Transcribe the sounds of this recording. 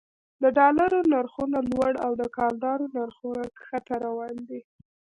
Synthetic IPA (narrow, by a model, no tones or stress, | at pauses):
d̪əɖɑlaɾonaɾxunalwaɽawd̪əkɑld̪ɑɾonaɾxunaxat̪aɾawɑnd̪i